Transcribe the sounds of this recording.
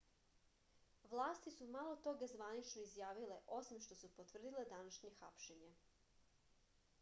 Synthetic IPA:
ʋlˠaːst̪isumalˠo̞t̪o̞ɡazʋanit͡ʃnoizjaːʋile̞ʔo̞simʃt̪o̞supot̪ʋr̩d̪iled̪anaʃɲe̞xapʃeɲe

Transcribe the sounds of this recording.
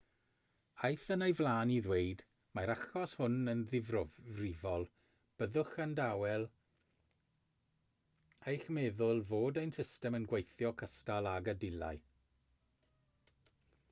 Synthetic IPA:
ajθənejvlˠaːniðweɨd | maɾaχɔshʊnənðɪvrɔrɪvɔlˠ | b̥əðʊxandawɛlˠ | ejxmɛðʊlˠvoːdejnsɪstɛmənɡwejθjɔkʰəstalˠaɡədɪlˠa̰ɨ

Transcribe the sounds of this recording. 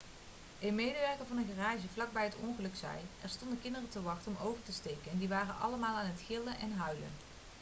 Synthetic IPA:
ɪnmejdəʋɛɹkəvɑnəɣəraːʒəvlɑɡ̚bɛjɦətɔŋχəlɵksɛ̰jʔɛɹstɔndəkɪndərətəʋɑχtɔmowvəɹtəstejkənɛndiʋaːrənʔɑ̰ləmaːlˠaːnɦətxɪlənʔɛnɦœɥlə̰n

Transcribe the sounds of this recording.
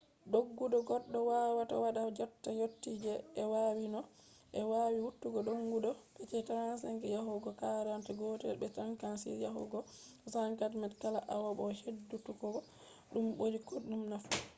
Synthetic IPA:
ɗoɡːuɗɔɡɔɗːɔwawata̰waɗad͡ʒɔtːajotːid͡ʒɛːwawinɔ | ʔɛwawiwutːuɡɔɗoŋɡuɗɔpɛt͡ʃɛtɾans̬ɛŋkɛjaɦuɡɔkaɾantɛɡɔtɛ̰lbɛtɾaŋkansḭɾjaɦṵɡɔ | saŋkatmɛtkalaʔawabɔhedːutukɔɡɔ | ɗumɓoɾikoɗumnaf

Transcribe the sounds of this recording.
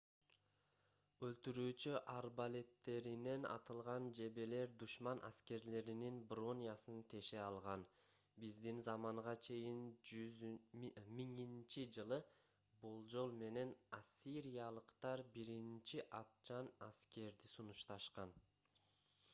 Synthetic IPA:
ølt̪yɾyːt͡ʃyʔaɾbalʲe̞t̪ːe̞ɾine̞nɑ̰t̪ɯlˠʁɑnd͡ʒe̞be̞le̞ɾd̪uʃmɑnʔa̰ske̞ɾle̞ɾininbro̞nʲjasɯnt̪ʰe̞ʃeɑlˠʁɑn | bizd̪inzɑmɑɴʁɑt͡ʃʰe̞jiny | miŋint͡ʃid͡ʒɯlˠɯ | bolˠd͡ʒo̞lˠme̞ne̞nasʲːiɾʲijalˠɯqt̪ɑɾbiɾint͡ʃiʔɑt̪̚t͡ʃɑnaske̞ɾd̪isunuʃt̪ɑʃqɑn

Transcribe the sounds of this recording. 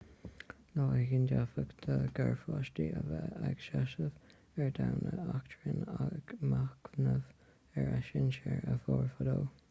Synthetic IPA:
nɑːəɡɪndafəkd̪ʰəɡɛɹfɑʃtiəvɛaɡ̥ʃaʃəv | ɛɹd̪awnəaktʰɹənaɡmaknəv | ɛɹaʃɪnt͡ʃəɹəfɔːɹfədoː

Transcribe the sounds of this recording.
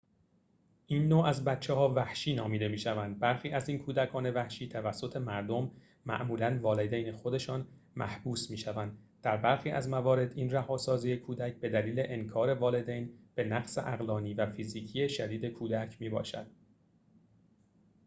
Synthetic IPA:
ʔinːoːæzbæt̪t͡ʃʰːehɒːvæhʃiːnɒːmiːd̪e̞miːʃævænd̪̚bæɾxiːʔæziːnkʰuːd̪ækʰɒːne̞væhʃiːt̪ʰævæsːo̞t̪ʰe̞mæɾd̪o̞mː | æ̰ʔmuːlænvɒːled̪ejnexo̞d̪e̞ʃɒːn | mæ̰hb̥uːsmiːʃævænd̪d̪̥æɾbæɾxiːʔæ̰zmævɒːɾe̞d̪iːnræhɒːsɒːziːjekʰuːd̪æcʰb̥e̞d̪æliːle̞ʔenkʰɒːɾe̞vɒːle̞d̪ejnb̥e̞næɣsḛʔæɣlɒːniːvæfiziːcʰije̞ʃæd̪iːd̪e̞kʰuːd̪æcʰmiːbɒ̰ːʃæ̰d̪̥̚

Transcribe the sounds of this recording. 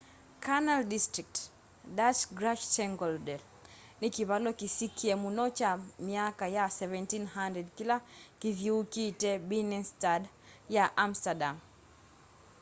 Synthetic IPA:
kʰanaldistɹik̚t | datɡɾaʃtɛŋɡɔldɛl | nikiβalɔkisikʰiɛmunɔt͡ʃamiakajasɛvɛ̃ntinɦandɛdkilakiðjuukitɛbinɛnstad | jaʔamstadam

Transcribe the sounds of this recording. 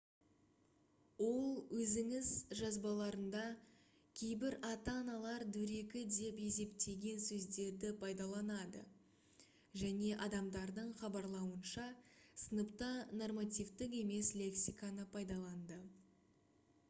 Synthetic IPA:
wo̞lˠwɵzɪŋɪzʒɑzbɑlˠɑɾənd̪ɑ | kʲʰe̞jbɪɾɑt̪ɑːnɑlˠɑɾd̪ɵɾe̞kʲɪd̪e̞pe̞se̞pt̪e̞ɡʲe̞nsɵzd̪e̞ɾd̪ɪpʰɑjd̪ɑlˠɑnɑd̪ə̰ | ʒæne̞ʔɑd̪ɑmd̪ɑɾd̪əɴχɑbɑɾlˠɑwənʃɑsənəpt̪ɑno̞rmat̪ʲijvt̪ɪke̞me̞slʲe̞ksijkanəpʰɑjd̪ɑlˠɑnd̪ə

